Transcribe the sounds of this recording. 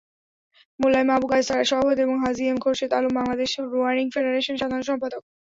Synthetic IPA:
molːaemabukajst̪aɾaʃɔbod̪eboŋɦaziemkʰoɾʃet̪alumbaŋlad̪eʃɾuaɾiŋfeɖeɾeʃonʃad̪ʱaɾonʃɔmpad̪ok̚

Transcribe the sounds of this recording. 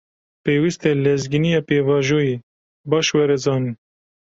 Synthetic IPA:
peːwist̪ɛlɛzɡinijɑːpeːvɑːʒoːji | bɑːʃwɛɾɛzɑːnin

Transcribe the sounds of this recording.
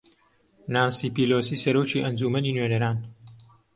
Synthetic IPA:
naːmsiːpiloːsiːsɐɾoːt͡ʃiːʔɐnd͡ʒuːmɐniːnɥenɐɾaːn

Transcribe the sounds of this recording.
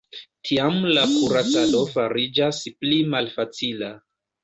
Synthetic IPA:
tʰiamlakuɾat͡salo̞faɾid͡ʒasplimalfat͡sila

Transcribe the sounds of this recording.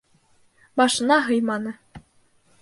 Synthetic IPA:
bɑʃɤ̆nɑɦɤ̆jmɑnɤ̆

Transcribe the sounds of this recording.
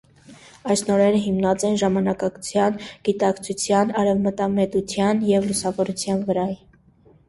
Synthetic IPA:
ɑjsnɔɾɛɾəɦimnɑt͡sɛnʒɑmɑnɑkɑɡt͡sʰjɑnɡ̥it̪ɑkt͡sʰut͡sʰjɑnɑɾɛvmət̪ɑmɛt̪ut͡sʰjɑnjɛvlusɑvɔɾut͡sʰjɑnvəɾɑj

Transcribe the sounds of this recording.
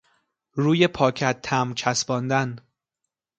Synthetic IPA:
ɾuːjepʰɒːcʰæt̪ʰːæmt͡ʃʰæsbɒːnd̪æn

